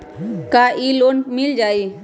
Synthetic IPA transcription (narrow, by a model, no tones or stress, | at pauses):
kaʔiloːnmɪld͡ʒaːi